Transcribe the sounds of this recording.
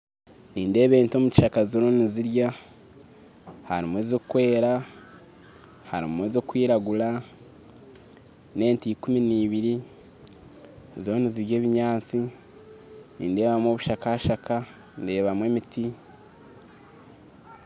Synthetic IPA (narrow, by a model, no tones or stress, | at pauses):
niːnde̞ːβe̞ːnto̞muci̥ʃakazoɾo̞niziɾja | haɾimwe̞ːzokkwe̞ːɾa | haɾḭmweːzo̞kwiːɾaɡula | ne̞ːntiːkuminiːβiɾi | ziɾoniziɾɟeːβiɲaːt͡si | nḭːnde̞ːβamwo̞βuʃakahaʃaka | nde̞ːβamweːmiti